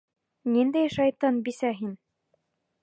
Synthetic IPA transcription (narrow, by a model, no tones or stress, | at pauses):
nind̪æjʃɑjt̪ɑnbisæɦin